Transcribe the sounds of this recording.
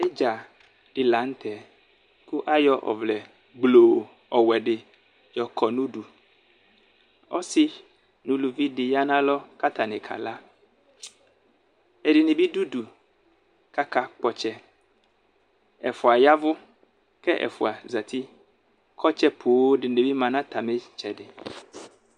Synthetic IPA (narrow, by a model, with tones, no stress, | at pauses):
e˦d͡ʒa˨ | ɖ̥ɪ˨la˨˦ŋ̩˦t̪ʰɛ˨ | ku˦ʔa˦jɔ˦ʔɔ̰˨vlɛ˨ | ɡ͡blo˨ | ɔ˨wɛ˨ɖɪ˨ | jɔ˨kʰɔ˨nũ˦ɖu˨ | ɔ̰˦sɪ˦ | nũ˨lu˨vi˦ɖɪ˨ja˦nã˦lɔ˦ka˦t̪a˨nɪ̃˨kʰa̰˨la˦ | e˨ɖɪ˨ne˨bi˦du˦du˨ | ka˦ka˦k͡pɔ˦t͡ʃɛ˦ | ɛ̰˨fʊ˨a˨ja˦vʊ˦ | kɛ˦ʔɛ̰˨fṵ˨a˨za˨t̪ʰi˦ | kʰɔ˦t͡ʃɛ˦pʰu˨wo˦ɖɪ˨ne˨bi˦mã˨nã˦t̪a˨me˦t͡ʃɛ˨ɖɪ˨